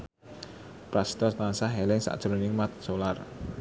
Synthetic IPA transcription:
pɾast̪ɔst̪ansaɦɛlɪŋsa̰ʔd̥ʒ̥ɾonɪŋmat̪̚solar

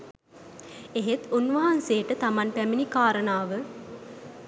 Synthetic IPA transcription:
eɦet̪unʋɐɦanseːʈət̪ɐmɐnpæminikaːɾənaːʋə

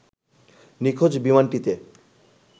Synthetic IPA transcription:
nikʰod͡ʑbimanʈit̪e

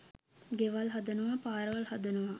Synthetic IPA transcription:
ɡeʋalɦad̪ɐnuʋapaːɾəʋɐlhɐd̪ɐnuʋa

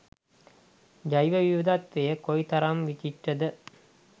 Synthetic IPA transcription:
d͡ʒajʋɐʋiʋəd̪at̪ʋejəkojt̪aɾamʋit͡ʃiʈːəd̪ə

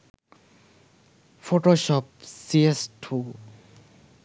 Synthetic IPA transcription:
fʰoʈoʃɔp̚siesʈʰu

